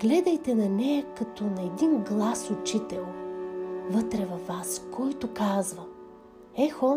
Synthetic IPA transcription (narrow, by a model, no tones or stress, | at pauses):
ɡ̥lɛd̪ɐjt̪ɛnɐnɛjɐkɐt̪ɔnɐɛd̪inɡlˠasʊt͡ʃit̪ɛlˠ | vɤt̪ɾɛvɐfːaskʰɔjt̪ʊkazvɐ | ɛxɔ